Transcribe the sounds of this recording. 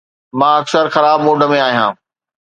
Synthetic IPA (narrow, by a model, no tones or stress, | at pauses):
mãːɐksəɾxɐɾaːbmoːɖə̆mẽaːɦijãː